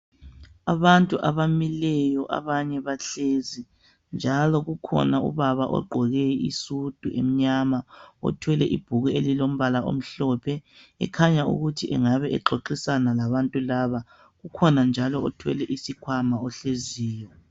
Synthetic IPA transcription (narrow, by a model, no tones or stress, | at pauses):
aβantʼuʔa̰βamilɛjɔʔa̰βaɲɛβaɬezi | nd͡ʒʱalɔɣukʰɔ̰naṵβaβaʔɔ̰ɡ͡ǃʱɔɣɛḭsud̥ʱuʔḛm̩ɲamaɔ̰tʰwɛlɛʔib̥ʱuɣuelilom̩βalaʔo̰m̩ɬɔpʰɛɛ̰kʰaɲaṵɣutʰiʔɛ̰ŋaβɛʔɛɡ͡ǃʱoǃisanalaβantʼulaβa | ɣukʰɔnand͡ʒʱalɔɔtʰwɛ̰lɛʔisikʰwamaɔɬeziːjɔ